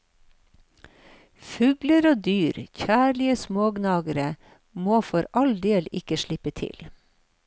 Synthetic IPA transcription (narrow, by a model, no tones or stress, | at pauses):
fʉːɡləɾoːd̪yːɾçæːlɪəsmoːɡnɑːɡəɾə | moːfɔɾʔɑld̪eːlɪkəʃɭɪpət̪ʰɪ̰l